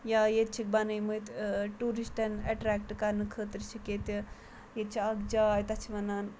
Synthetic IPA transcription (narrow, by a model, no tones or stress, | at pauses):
jaːjet̪̚t͡ʃʰik̚bɐnɐjmujt̪ʈuɾisʈɐnɐʈɾɛːk̚ʈkɐɾnɨkʰəːt̪ɾt͡ʃʰiket̪i | jet̪̚t͡ʃʰiɐɡd͡ʒaːjt̪ɐt͡ʃʰiʋɐnaːn